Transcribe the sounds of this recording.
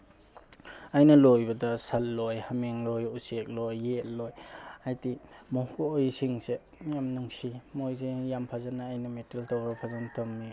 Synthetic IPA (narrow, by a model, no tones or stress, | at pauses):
ajnɐlojbɐdɐsɐlːojhameŋlojusek̚lojːet̚lojajtimokoojsiŋse | mijamnuŋsimojzejampʰazanaːjnɐmeteltɔwɾɐpʰazantʰomni